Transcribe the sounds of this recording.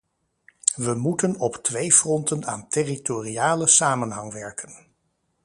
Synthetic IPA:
ʋəmutənɔptʋejvrɔntəna̰ːntɪritoriaːləsaːmənɦɑŋʋɛɹkən

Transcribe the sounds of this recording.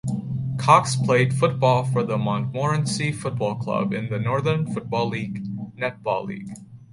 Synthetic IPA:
kʰɑkspʰl̥eɪd̥fʊt̚b̥ɔlˠfə˞ðəmɑ̃ntmɔɹɨ̃nsifʊt̚b̥ɔlˠkʰl̥ʌ̰bɪ̰̃nðɨnɔɹðə̃˞nfʊt̚b̥ɔlˠiɡnɛt̚b̥ɔ̰lˠlḭɡ̥

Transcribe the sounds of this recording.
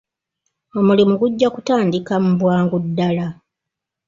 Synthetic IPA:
o̞mulimuɡuɟːakutaːndikamubwaːŋɡudːala

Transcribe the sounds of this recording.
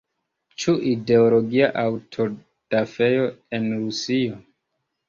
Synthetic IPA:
t͡ʃuʔide̞olo̞ɡiaʔawtʰo̞ | d̥afe̞jo̞enɾusio

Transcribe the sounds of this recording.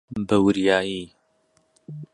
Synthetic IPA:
bɐwʊɾjaːjiː

